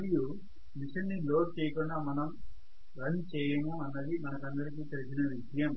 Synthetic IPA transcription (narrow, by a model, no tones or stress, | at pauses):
ɐliju | miʂɐnːiloːʈ̚t͡ʃɛːjɐkuɳɖaːmɐnɐm | ɾɐnt͡ʃɛːjɐmuɐnːɐd̪imɐnɐkɐnd̪ɐɾik̬iːt̪elid͡ʒinɐʋjɐdʱɐjɐm